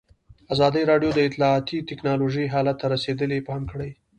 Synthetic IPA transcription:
azɑd̪əjɾɑɖjod̪əɪt̪lɑːt̪it̪ɪknɑloʒəjɦɑlat̪ːaɾased̪əlepɑnkəɽaj

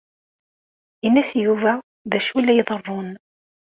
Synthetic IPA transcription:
inːæsjuvæ | ðæʃulːæjəðˤərˤːon

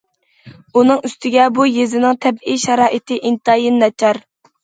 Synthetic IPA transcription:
unɨŋyst̪ʰɪɡʲɛbujezɪnɪŋt̪ʰɛbiʃɑɾɑːʔit̪ʰɪʔint̪ɑːjinːɛt͡ʃʰɑɾ

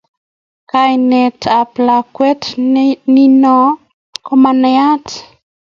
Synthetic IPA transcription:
kajnetaplakwetninɔ | komaneati̥

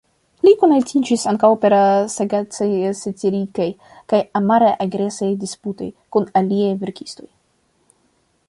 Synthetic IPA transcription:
likonaltid͡ʒisaŋkawpe̞ɾasaɡat͡sajsat͡siɾikaj | kajamaɾajʔaɡɾe̞sajdisputo̞̰jkunaliajveɾki̥sto̞j

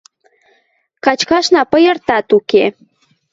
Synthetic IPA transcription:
kɑt͡ɕkɑʃnɑpəjərt̪ɑt̪uke

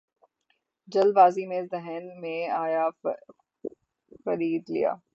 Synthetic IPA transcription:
d͡ʒɐlbaːzimẽzɛɦɛnmẽaːja | xɐɾiːd̪lḭja̰ː

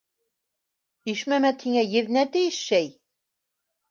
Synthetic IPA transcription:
iʃmæmæt̪ʰiŋæjɘ̆ð̆næt̪ɘ̆jɘʃʃæj

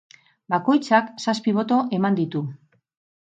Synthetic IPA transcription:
bako̞jt͡saksaspiβ̞o̞t̪o̞ʔe̞mand̪it̪u

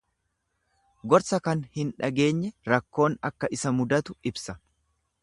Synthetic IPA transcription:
ɡɔɾsɐkɐnhɪnᶑɐɡe̞ːɲːɛɾɐkːo̞ːnɐkːɐʔɪsɐmʊd̪ɐt̪ʊɪbsɐ

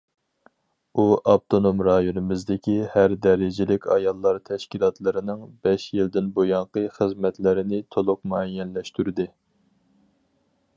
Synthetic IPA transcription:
uʔɑp̚t̪ʰonomɾɑjonɨmɪzd̪ɪkʲihæɾd̪ɛɾɪd͡ʒɪlɪkʲʰɑjɑlˠːɑɾt̪ʰɛʃkʲilˠɑt̪lˠɨɾɪnɪŋbɛʃjild̪ɪnbojɑŋqəχəzmɛt̪lɪɾɪnɪt̪ʰolˠʊq̚muɛjːɛnlɛʃt̪yɾɪd̪ɪ

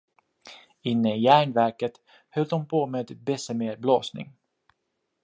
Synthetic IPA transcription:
ɪnːəɪjæːɳvæɾkət̪ | hœld̪ɔmpʰoːmeːd̪bɛsəmeːɾbloːsnɪ̰ŋ

